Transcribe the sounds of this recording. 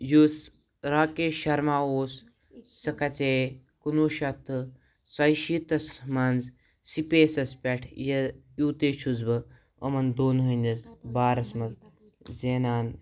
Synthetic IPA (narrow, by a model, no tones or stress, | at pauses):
jus | ɾaːkeːʃɐɾmaːoːsː | ɐkɐt͡seː | kunuːʃɐt̪ʰːɨ | sɐjʃit̪ɐsmanz | sipeːsɐspʲɛʈʰjɐjuːt̪eːt͡ʃʰuzbɐ | ɐmɐnd̪oːnɦənʲɐzbaːɾɐsmɐz | zeːnaːn